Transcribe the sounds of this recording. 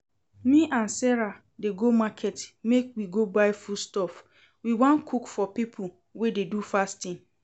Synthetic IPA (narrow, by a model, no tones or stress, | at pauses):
mĩʔãnsɛɹa | deɡomakʰɛtmekwiɡobaɪfustɔf | wiwɔ̃nkʰukfɔpipʰu | wededufastĩn